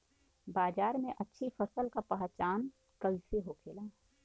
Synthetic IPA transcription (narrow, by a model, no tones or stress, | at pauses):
baːd͡ʒaːɾmẽʔɐtːʃʰifʰəsəlkapəɦt͡ʃaːn | kəiseɦokʰeːlaː